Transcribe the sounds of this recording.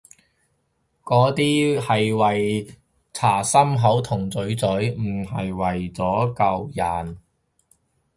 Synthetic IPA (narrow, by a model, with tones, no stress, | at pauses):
kɔː˨˥t̪iː˥hɐ˨jwɐ˨j | t͡sʰaː˨˩sɐ˥mɦɐ˨˥wt̪ʰʊ˨˩ŋt͡sɵ˨˥ɥt͡sɵ˨˥ɥm̩˨˩ɦɐ˨jwɐ˨˩jt͡sɔː˨˥kɐ˨˧wjɐ˨˩n